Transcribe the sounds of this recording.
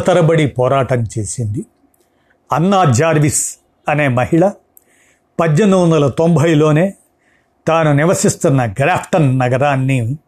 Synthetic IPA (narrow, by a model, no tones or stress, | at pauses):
t̪ɐɾɐbɐɽipɔːɾaːʈɐmt͡ʃe̞ːsind̪i | ɐnːaːd͡ʒaːɾʋis | ɐne̞ːmɐɦiɭɐ | pɐd̪jend̪uʋɐnd̪ɐlɐt̪o̞mbʱɐjlo̞ːne̞ː | t̪aːnuniʋɐsist̪unːɐɡɾaːpʰʈɐnːɐɡɐɾaːnːi